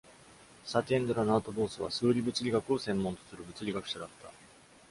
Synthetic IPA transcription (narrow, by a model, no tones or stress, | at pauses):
sat̪ʲẽnd̪oɾanaːt̪o̞bo̞ːsɨβ̞a̰sɨːɾʲibɯ̟t͡sɨɾʲiɡakɯo̞sẽ̞mːont̪o̞̥sɨɾɯ̟bɯ̟t͡sɨɾʲiɡakɯ̟̥ɕad̪at̪ːa